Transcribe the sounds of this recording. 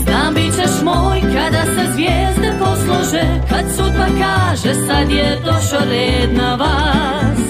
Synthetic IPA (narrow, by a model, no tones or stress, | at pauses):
d̪ambit͡ʃɛʃmoːjkad̪asɛzvjɛzd̪ɛposlˠuʒɛkad̪sud̪bakaːʒɛsad̪jɛt̪oʃoɾɛːd̪nava | s